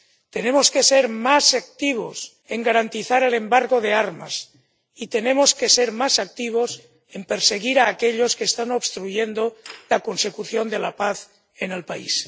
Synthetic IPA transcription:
t̪e̞ne̞moske̞seɾmasak̚t̪iβ̞o̰s | e̞ŋɡaɾant̪iθaɾele̞mbaɾɣoðeaɾma̰s | it̪e̞ne̞moske̞seɾmasak̚t̪iβ̞os | empe̞ɾseɣiɾaːkeʎo̞skeːst̪anoβst̪ɾuʝend̪olako̞nse̞kuθjond̪elapaθ | ene̞lpaḭs

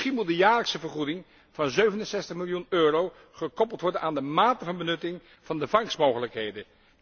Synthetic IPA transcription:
χinmut̚dəjaːɹləksəvəɹχudɪŋ | v̥ɑnzøɥvənənsɛstəχmɪlˠjunøːrow | χəkɔpəlˠtʋɔɹdənaːndəmaːtəvɑnbənɵtɪŋ | v̥ɑndəvɑŋsmowχələkɦejdə

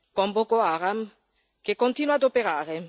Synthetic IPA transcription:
kɔmbokoaːɾam | kekːont̪iːnwad̪opeɾaːɾe

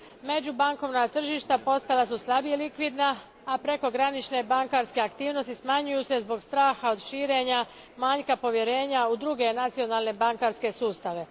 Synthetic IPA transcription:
me̞d͡ʑubaŋko̞ʋnat̪r̩ʒiʃt̪apo̞st̪alasuslˠabijelikʋid̪naː | pɾe̞ko̞ɡɾanit͡ʃne̞baŋkaɾske̞akt̪iːʋno̞st̪ismaɲujuse̞zbo̞ɡst̪ɾaːxaod̪ʃiːɾe̞ɲa | maːɲkapo̞ʋje̞ɾe̞ːɲaud̪ɾuɡe̞nat̪sio̞nalˠne̞baŋkaɾske̞suːst̪aʋe̞

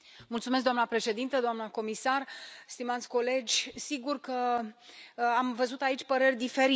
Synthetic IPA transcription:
mult̪sumes̬k̚d̪oamnəpɾe̞ʃe̞d̪int̪əd̪oamnəko̞misarst̪imat̪sʲko̞le̞d͡ʒʲsiɡurkə | amvəzut̪ait͡ʃʲpəɾerʲd̪ife̞ɾi

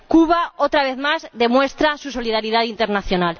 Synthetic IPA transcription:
kuβ̞aot̪ɾaβ̞eθmazðe̞mwe̞st̪ɾasuso̞lið̞aɾið̞aðint̪e̞ɾnaθjonal

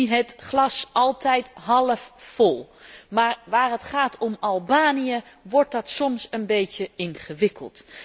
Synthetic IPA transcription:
ɦətχlɑsɑlˠtɛjtɦɑləfːɔlˠmaːɹʋaːɹɦətχaːtʰɔmɑlˠbaːnijə | ʋɔɹt̚dɑtsɔmsənbejcəɪnχəʋɪkə̰lˠt

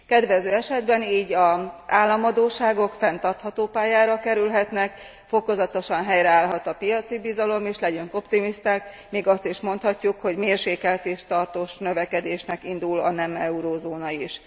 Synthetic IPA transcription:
kɛd̪ʋɛzøːɛʃɛd̪bɛniːɟɒz̥aːlːɒmɒd̪oːʃaːɡo̞kfɛn̪t̪ɒrt̪hɒt̪oːpaːjaːɾɒkɛɾylɦɛt̪nɛk | fo̞ko̞zɒt̪o̞ʃɒnɦɛjɾɛaːlɦɒt̪ɒpijɒt̪sibizɒlo̞meːʃlɛɟøŋko̞pt̪imist̪aːk | meːɡɒst̪iʃmo̞nt̪hɒcːukho̞ɟmeːrʃeːkɛlt̪eːʃt̪ɒrt̪oːʃnø̞vɛkɛd̪eːʃnɛkind̪ulɒ̰nɛmɛuɾozoːnɒiʃ

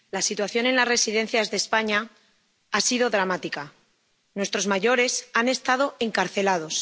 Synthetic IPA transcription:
lasit̪waθjo̞ne̞nlazre̞siðe̞n̟θjazðe̞spaɲa | asiðo̞ðɾamat̪ika | nwe̞st̪ɾo̞zmaʝo̞ɾe̞sane̞st̪að̞o̞e̞ŋkaɾθe̞lað̞o̞s

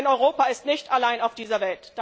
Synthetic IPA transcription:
nɔʏʁoːpaɪstnɪçtalaɪnaʊfd̥iːzɐvɛltd̥

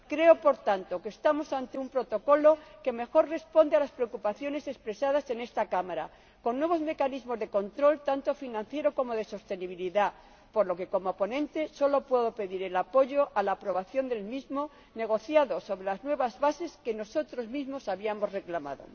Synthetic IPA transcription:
kɾe̞o̞po̞ɾt̪ant̪o̞kest̪amo̞sant̪e̞umpɾo̞t̪o̞ko̞lo̞ke̞me̞xo̞ɾre̞spo̞nd̪ealaspɾeokupaθjo̞ne̞se̞spɾe̞sað̞ase̞ne̞st̪akamaɾa̰ | ko̞nːwe̞βo̞zme̞kanizmo̞zðe̞ko̞nt̪ɾo̞lt̪ant̪o̞finãn̟θje̞ɾo̞ko̞mo̞ðe̞so̞st̪e̞niβ̞iliða | po̞ɾlo̞ke̞ko̞mo̞po̞nẽ̞nt̪e̞so̞lo̞pwe̞ðo̞pe̞ðiɾe̞lapo̞ʝo̞ʔalaːpɾo̞β̞aθjo̞nd̪e̞lmizmo̞ | ne̞ɣ̞o̞θjaðo̞so̞βɾe̞laznwe̞β̞azβase̞ske̞no̞so̞t̪ɾo̞zmizmo̞saβiamo̞zre̞klama̰ðo̞̰

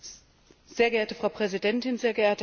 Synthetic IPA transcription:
z̥eːɐɡəeːɐtəfʁ̥aʊpʁ̥ɛzidɛntɪnzeːɐɡəʔeːɐtə

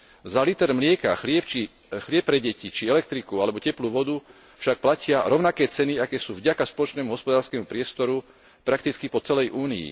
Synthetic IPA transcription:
zalit̪ɛɾmlɪɛka̰xlɪɛp̚t͡ʃi | xlɪɛp̚ːɾɛɟɛcit͡ʃiɛlɛk̚t̪ɾikualɛbɔcɛpluːʋɔd̪u | fʃak̚placɪaɾɔʊnakɛːt͡sɛniakɛːsuːvɟakaspɔlɔt͡ʃnɛːmuɦɔspɔd̪aːɾskɛːmupɾɪɛst̪ɔɾu | pɾak̚t̪it͡skipɔt͡sɛlɛjʔuːniḭ

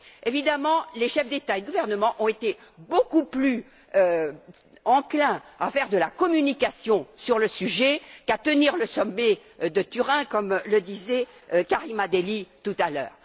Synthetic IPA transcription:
evid̪amɑ̃leʃɛfd̪et̪aed̪əɡuvɛʁnəmɑ̃ʔɔ̃et̪ebokuply | ø | ɑ̃klɛ̃afɛʁd̪əlakɔmynikasjɔ̃syʁləsyʒɛkat̪əniʁləsɔmːɛd̪ət̪yʁɛ̃kɔmləd̪izɛ | kaʁimad̪elit̪ut̪alœ̰ːʁ

